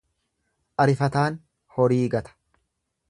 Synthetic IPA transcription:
ʔɐɾɪfɐt̪aːn | hɔɾiːɡɐt̪ɐ̥

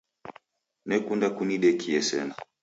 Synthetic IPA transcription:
nɛkundakuniɗɛkʰiɛsɛ̰na

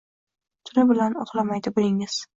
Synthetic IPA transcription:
t̪ʰʊlɪbɪlanɒqlˠamajd̪ɪbolɪŋɪz̥

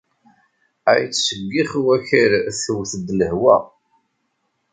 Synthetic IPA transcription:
æjt͡sːsəɡːiχwæçəɾθəwθd̪ːləhwæ̰

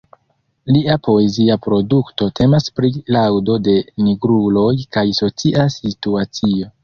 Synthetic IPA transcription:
liapo̞e̞ziapɾodukto̞tʰe̞maspɾilawdo̞de̞miɡɾulo̞jkajso̞t͡siʔasituat͡sio̞

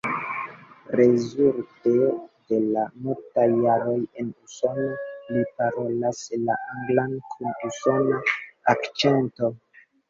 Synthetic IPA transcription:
ɾe̞zultede̞lamuɾtajːaɾo̞je̞nuso̞nolipaɾo̞laslaʔaŋɡlankʰunuso̞naːkt͡ʃe̞nto̞

